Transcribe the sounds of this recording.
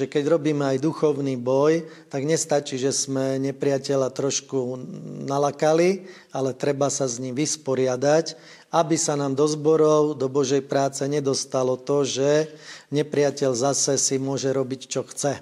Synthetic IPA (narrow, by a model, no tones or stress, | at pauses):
ʒɛkɛɟɾɔbiːmɛajd̪uxɔʊniːbɔj | t̪aɡɲɛst̪at͡ʃiːʒɛsmɛɲɛpɾɪacɛʎat̪ɾɔʃkunalakali | alɛt̪ɾɛbasazɲimʋispɔɾɪad̪ac | abisanaːmd̪ɔzbɔɾɔʊd̪ɔbɔʒɛjpɾaːt͡sɛɲɛd̪ɔst̪alɔt̪ɔʒɛɲɛpɾɪacɛʎzasɛsimʊɔʒɛɾɔbict͡ʃɔxt͡sɛ